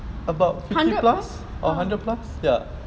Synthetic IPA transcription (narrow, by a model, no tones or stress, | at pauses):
əbaʊtfɪhfilas | ʔɔɦãndəd̚plasja